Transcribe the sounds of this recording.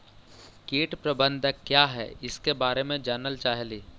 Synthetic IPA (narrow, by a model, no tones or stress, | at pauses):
keːʈpɾɐbə̃nd̪ʱəkːjaːɦɛ̰ɪskebaːɾemẽd͡ʒaːnəlt͡ʃaːɦliː